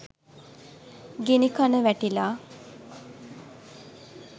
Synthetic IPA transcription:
ɡenikanəʋæʈilaː

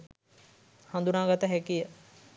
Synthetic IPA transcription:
hand̪unaːɡat̪əɦɛkijə

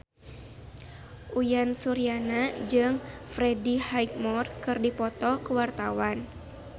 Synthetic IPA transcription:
ʔujansuɾianad͡ʒɨŋfɾɛdihaik̚mɔrkɨrdipɔt̪ɔkuwart̪awan

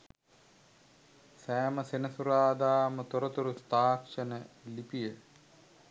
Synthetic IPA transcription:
sæːməsenəsuɾaːd̪aːmət̪oɾət̪uɾust̪aːkʂənəlipijə

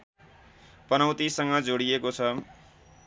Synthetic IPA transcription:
pʌnʌwt̪isʌŋɡʌd͡zoɽijekot͡sʰʌ

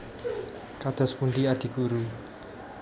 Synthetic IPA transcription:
kad̪̥ɔ̤spunɖ̪iaɖ̪̥i̤ɡ̥uɾu

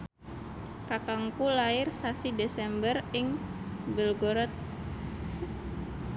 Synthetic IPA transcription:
kakaŋkulaɪrsasidesɛmbərɪŋbəlɡɔɾɔt̪̚

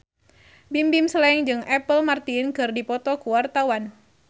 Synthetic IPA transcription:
bimbimsəlɛŋd͡ʒɨŋɛpəlmart̪inkɨrdipɔt̪ɔkuwart̪awan

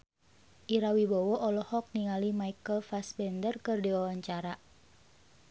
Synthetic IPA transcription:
ʔiɾawibɔwɔʔɔlɔhɔk̚niŋalimaikəlfasbɛndərkɨrdiwawaɲt͡ʃaɾa

